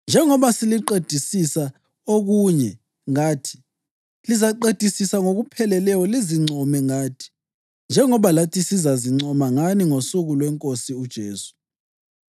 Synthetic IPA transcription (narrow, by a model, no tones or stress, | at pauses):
nd͡ʒʱɛŋɔβasiliǃed̥ʱisisa | oɣuɲɛ | ŋaːtʰi̥ | lizaǃed̥ʱisisaŋoɣupʰɛlɛlɛwɔliziŋ͡ǀʱɔmɛŋaːtʰi̥ | nd͡ʒʱɛŋɔβalatʰisizaziŋ͡ǀʱɔmaŋaniŋosuɣulwɛŋkʼosiud̥ʒ̥ʱeːsu̥